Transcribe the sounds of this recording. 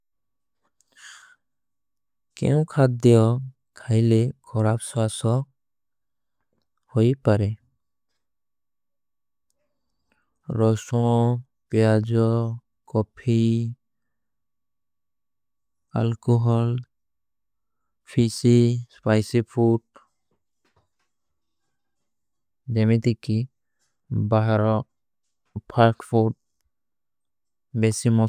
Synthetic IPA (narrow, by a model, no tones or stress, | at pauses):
kɛ̰ʊ̃kʰad̪̚d̪ɛɔ | kʰajlekʰɔɹabsɔasɔ | hojpaɹɛ | ɹɔsɔ̃ | pɛad͡ʒɔ | kɔpʰi | a̰lkɔɦɔl | pʰisispajsipʰut̚ | d͡ʒɛmit̪iki | baɦaɾɔ | pʰaɾkpʰud̚ | bɛsimɔ